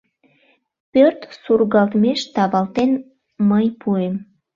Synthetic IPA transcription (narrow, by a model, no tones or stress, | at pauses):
pørt̪surɣɑlt̪meʃt̪ɑβɑlt̪en | məjpʰuem